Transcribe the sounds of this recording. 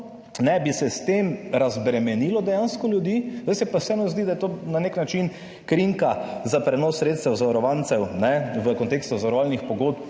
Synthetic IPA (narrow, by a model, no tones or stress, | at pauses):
nɛbisɛst̪emɾazbɾɛmɛniːlɔd̪ɛjanskɔljud̪izd̪ajsɛpɐsɛɛnɔzd̪id̪ajɛt̪oːnaneknat͡ʃin | kɾiŋkazapɾɛnɔsːɾeːt̪st̪ɛwzaʋaɾɔʋant̪sɛwnɛʋəkɔnt̪ekst̪uzaʋɐɾɔʋaːlnixpɔɡot̪p